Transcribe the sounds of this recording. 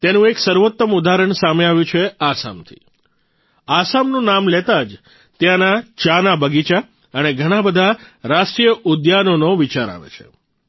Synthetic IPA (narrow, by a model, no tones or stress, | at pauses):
t̪enũeksəɾʋot̪ːəmud̪aɾəɳsameaʋjũt͡ʃʰeasa̰mt̪ʰḭ | asamnũnamlet̪ad͡ʒ | t̪jãnat͡ʃanabəɡit͡ʃa | əneɡʱəɽ̃abəd̪ʱaɾaʃʈɾijəʔʊd̪janonoʋit͡ʃaɾa̰ʋḛt͡ʃʰḛ